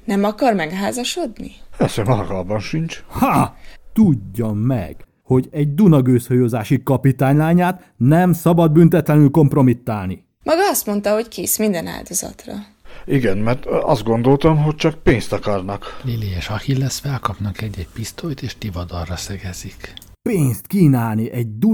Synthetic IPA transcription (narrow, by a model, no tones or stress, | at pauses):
nɛmɒkɒrmɛɡɦaːzɒʃo̞d̪nipɛsemɒlɒkɒlbɒnʃint͡ʃhat̪uɟːɒmːɛ̰ɡ̥ | ho̞ɟɛɟd̪unɒɡøːshojoːzaːʃikɒpit̪aːɲlaːɲaːt̪ | nɛmsɒbɒd̪̚bynt̪ɛt̪lɛnylko̞mpro̞mit̪ːaːlni | mɒɡɒɒst̪mo̞nt̪ɒɦo̞ckʰeːsmind̪ɛna̰ːld̪ozɒ̰t̪rɒ̰ | iɡɛnmɛrt̪ɒzd̪̚ɡo̞nd̪o̞lt̪ɒmɦo̞c̚t͡ʃɒk̚peːnst̪ɒkɒrnɒkliliɛːʃɒhilɛsfɛlkɒpnɒkɛɟːɛcpist̪ojt̪eːʃt̪ivɒd̪ɒrːɒsɛɡɛzik | peːnst̪kiːnaːlniʔɛɟ̚d̪u